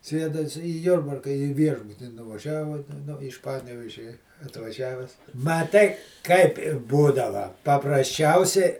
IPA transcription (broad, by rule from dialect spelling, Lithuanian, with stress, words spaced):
ˈsʲeːdɐ ɪs iː ˈjʊrbɐrkɐ iː ˈʋʲiɛʒbʊtʲiː nʊʋɐˈʒʲæːʋoː nʊ ɪʃ ˈpɑːnʲɛʋʲeːʒʲɛ ɐtʋɐˈʒʲæːʋʲɛs ˈmɑːˌtɐɪ kɐɪp ɪr ˈbuːdɐʋɐ pɐprɐsʲˈt͡ʃʲɛʊsʲɛɪ